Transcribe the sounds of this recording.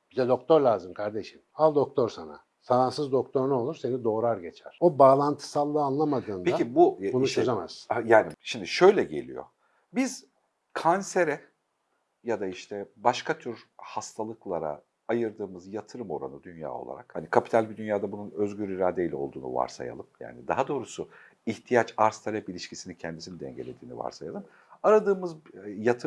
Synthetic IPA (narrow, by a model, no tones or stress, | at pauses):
b̥id̪ɛd̪o̞k̚t̪ʰo̞ɾlʲaːzɯmkʰaɾd̪e̞ʃimalˠd̪o̞k̚t̪ʰo̞ɾsana̰ | saɾansɯzd̪o̞kt̪ʰo̞ɾnuo̞lˠuɾse̞nid̪o̞ːɾaɾɟe̞t͡ʃʰæɾ̥obaːlˠant̪ʰɯ̥salˠːɯːanlˠamad̪ɯːndpeaibubunut͡ʃʰøzamaz̥jaːniʃimd̪iʃø̞jlʲɛɟe̞̰lʲḭjo̰ | biz̥ | kʰanse̞ɾɛ | jad̪aiʃt̪ʰɛbaʃkʰat̪ʰyɾhast̪ʰalˠɯklˠaɾa̰ | ajɯɾd̪ɯːmɯzjat̪ʰɯɾɯmo̞ɾa̰nɯd̪ynja̰ːo̞̰lˠa̰ɾa̰khanikʰapʰi̥t̪ʰalʲbid̪ynjaːd̪abununøzɟyɾiɾaːd̪eilʲɛolˠd̪uːnṵva̰ɾsa̰ja̰lˠɯmja̰ːnid̪aɦad̪o̞ːɾusu | iht̪ʰijat͡ʃaɾst̪ʰalʲɛpilʲiʃcʰisinicʰɛnd̪isinid̪ɛ̰ɲɟelʲe̞d̪iːnḭva̰ɾsajalˠɯm | aɾad̪ɯːmɯzjat̪ʰɯ